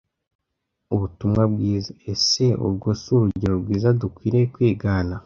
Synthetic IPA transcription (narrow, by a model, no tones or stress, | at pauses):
uβutumŋabɡiːzaese̞ṵɾɡosuɾuɟiɾobɡiːzadukwiːɾekwiːɡaːna